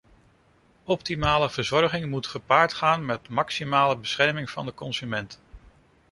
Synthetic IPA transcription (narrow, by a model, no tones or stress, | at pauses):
ɔp̚timaːləv̥əɹzɔɹχɪŋmutχəpaːɹtχaːnmɛtmɑksimaːləbəsχɛɹmɪŋv̥ɑ̰ndəkɔnzymɛnt